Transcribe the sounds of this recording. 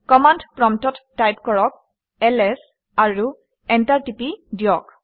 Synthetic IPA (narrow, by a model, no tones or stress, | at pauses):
kɔmandpɹɔmtɔtːajpkɔɹɔk̚ | ɛlɛs | aɹu | ɛntaɹtipidijɔk